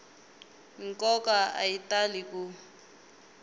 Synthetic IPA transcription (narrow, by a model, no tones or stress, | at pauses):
ŋ̩kʼɔkaa̰italiku